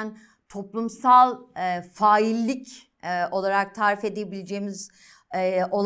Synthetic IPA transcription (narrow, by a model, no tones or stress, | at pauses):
n | t̪ʰo̞plˠumsalˠfaːilʲːicː | o̞lˠaɾak̚t̪ʰaːɾife̞d̪ejebilʲed͡ʒeːmiz | o̞lˠ